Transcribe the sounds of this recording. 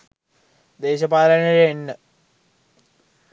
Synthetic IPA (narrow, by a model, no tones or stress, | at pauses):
d̪eːɕɐpaːlɐnɐɻeenːɨ